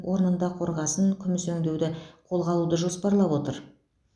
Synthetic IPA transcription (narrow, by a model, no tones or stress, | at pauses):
wʔo̞ɾənənd̪ɑqʰo̞ɾʁɑsəŋkʲʰʏmɪsɵŋd̪e̞wd̪ɪqʰo̞lˠʁɑlˠud̪əʒo̞spɑɾlˠɑpwot̪əɾ